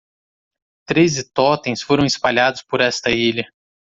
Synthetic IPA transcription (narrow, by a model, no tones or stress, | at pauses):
t̪ɾezɪt̪ɔt̪ẽj̃sfoɾɐ̃w̃ɪspaʎad̪ʊspoɾɛst̪ɐiʎɐ